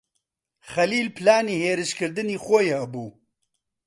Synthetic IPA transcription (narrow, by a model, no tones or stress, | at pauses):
χɐliːlpʰɨlaːniːheːɾɨʃkɨɾd̪ɨniːxojehɐbuː